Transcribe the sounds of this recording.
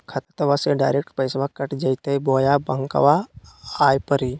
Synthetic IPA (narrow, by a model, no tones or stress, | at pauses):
kʰət̪ə̥t̪ɐʋaseɖaːjɾek̚ʈpəjsʋakəʈd͡ʒɐjt̪əjboːjabəŋkə̰ʋaː | jpəɾi